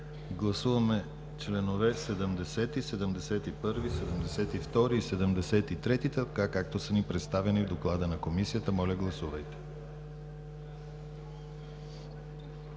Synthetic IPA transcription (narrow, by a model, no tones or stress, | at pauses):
ɡlˠɐsuvɐmɛ | t͡ʃlɛnovɛsɛd̪əmd̪ɛsɛt̪isɛd̪əmd̪ɛsɛt̪ipɤɾvisɛd̪əmd̪ɛsɛt̪ift̪ɔɾiːsɛd̪əmd̪ɛsɛt̪it̪ɾɛt̪it̪əkakak̚t̪osənipɾɛt̪st̪avɛnivd̪oklˠad̪ənɐkomisijət̪əmɔlʲɐɡlˠɐsuvəjt̪ɛ̥